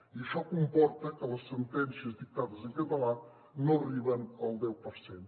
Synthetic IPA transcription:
iʃɔkumpɔɾt̪əkələsːənt̪ɛnsiəzd̪ik̚t̪aðəzəŋkət̪əla | noriβənəlˠd̪ɛwpəɾsen

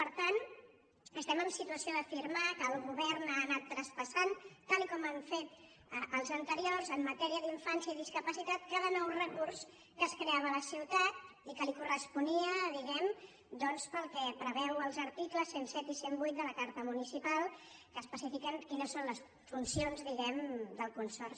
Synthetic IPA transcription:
pəɾt̪an | əst̪ɛməmsit̪uəsioðəfiɾmakəːlˠɣuβɛrnanat̪ːɾəspəsant̪alikɔmaɱfet̪ | əʔəlˠzənt̪əɾiorzəmːət̪ɛɾiəðiɱfansiəiðiskəpəsit̪at̪kaðənɔwrəkurs | kəːskɾeaβələsiwt̪at̪ | ikəlikurəspuniəðiɣɛm | d̪ɔnspəlˠkɛpɾəβɛwəlˠzəɾt̪ikləsːensɛt̪isembujt̪̚d̪ələkaɾt̪əmunisipalˠkəːspəsifikəŋkinəsːonləs | funsionzðiɣɛmd̪əlˠkunsɔrs

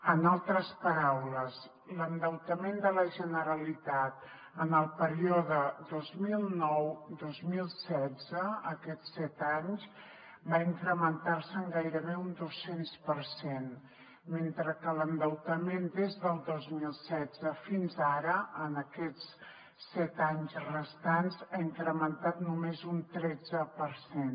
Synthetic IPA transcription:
ənalˠt̪ɾəspəɾawləz | lənd̪əwt̪əmend̪ələʒənəɾəlit̪at̪ | ənəlˠpəɾioðəd̪ozmilˠnɔwd̪ozmilˠsɛd͡zəəkɛtsɛt̪aɲz | baiŋkɾəmənt̪aɾsəŋɡajɾəβeund̪osenspəɾsen | ment̪ɾəkələnd̪əwt̪əmend̪ezðəlˠd̪ozmilˠsɛd͡zəfinzaɾəənəkɛt͡s | sɛt̪aɲzrəst̪anzaiŋkɾəmənt̪at̪numezunt̪ɾɛd͡zəpəɾsen

